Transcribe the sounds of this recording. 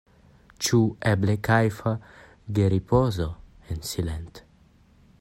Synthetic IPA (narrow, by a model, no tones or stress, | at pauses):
t͡ʃuɛblekajfa | ɡeɾipʰozo | ensilent̪